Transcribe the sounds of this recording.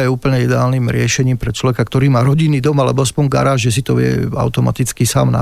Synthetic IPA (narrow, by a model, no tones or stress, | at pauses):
jɛuːpl̩ɲɛid̪ɛaːlnimɾɪɛʃɛɲiːmpɾɛt͡ʃlɔʋɛkakt̪ɔɾiːmaːɾɔɟinːiːd̪ɔmalɛbɔaspɔɲɡa̰ɾaːʒʒɛs̬it̪ɔʋɪɛ̰a̰ʊt̪ɔma̰t̪it͡skisa̰ːmna̰